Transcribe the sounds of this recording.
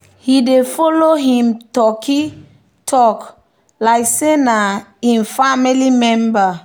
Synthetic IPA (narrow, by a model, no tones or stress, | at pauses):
hidefɔloɦĩmtɔkʰi | tʰɔk | lajksenaĩnfamilimɛ̃mba